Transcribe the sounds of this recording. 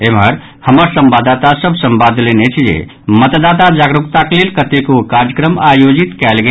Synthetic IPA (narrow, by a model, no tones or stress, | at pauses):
emɦəɾ | həməɾsəmbad̪at̪asəbsəmbad̪ʱlenet͡ʃʰd͡ʒḛ | mət̪d̪at̪ad͡ʒaɡɾukt̪aklelkət̪ekokaɾd͡ʒjəkɾəmajod͡ʒit̪kɛlɡe